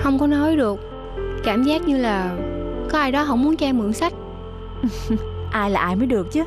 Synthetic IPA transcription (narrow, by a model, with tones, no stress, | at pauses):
xə˧wŋ͡mkɔ˨˦nɔ˨˦jɗɨ˨˩ək̚ | kaː˧˩mzaː˦˥k̚ɲɨ˧laː˨˩kɔ˨˦ʔaː˧jɗɔ˨˦ɦɔ̰˧˥mu˨˦ənt͡ɕaː˧mɨ̰˧˩əŋsa˦˥jk̚ | ʔʔaː˧jlaː˨˩ʔaː˧jməː˨˦jɗɨ˨˩ək̚t͡ɕɨ˨˦